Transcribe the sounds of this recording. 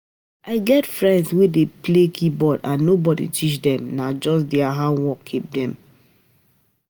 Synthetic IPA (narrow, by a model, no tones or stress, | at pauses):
aɪɡɛtfɹɛ̃ndswedeplekʰibɔdãnːobɔdḭtʰit͡ʃdɛ̃mnad͡ʒɔs̬dɛaɦãnwɔkʰːip̚dɛ̃m